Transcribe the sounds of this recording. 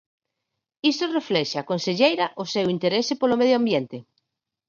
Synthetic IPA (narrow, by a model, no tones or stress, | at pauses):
ist̪oreflɛʃaːkonseʎejɾaʔosewint̪eɾesepolomeðjoambjent̪ɪ